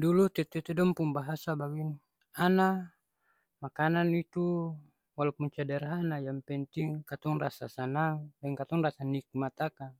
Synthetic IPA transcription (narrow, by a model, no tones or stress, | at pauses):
dulut̪ɛt̪ɛt̪ɛdɔmpuŋbaɦasabaɡin | ana | makananit̪u | walupuɲt͡ʃadɛrɦanajaŋpɛnt̪iŋkat̪ɔŋrasa̰sanaŋdɛŋkat̪ɔŋrasanik̚mat̪aka